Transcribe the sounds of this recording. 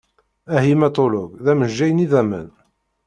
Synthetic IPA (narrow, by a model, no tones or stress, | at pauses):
æhimæt̪ˤoloɡðæməʒːæjəniðæmə̰n